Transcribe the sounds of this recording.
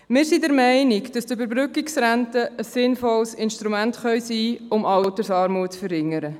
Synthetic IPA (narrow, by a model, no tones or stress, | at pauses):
mɪːɾsidɛɾmɛɪnɪkd̥ɑstøbəɾbɾʏkɪksɾæntəːsːɪnfɔlsɪnʃtɾumæntχœʏsiːʊmʔɑltəɾsɑːɾmuətt͡sfəɾhɪŋːəɾə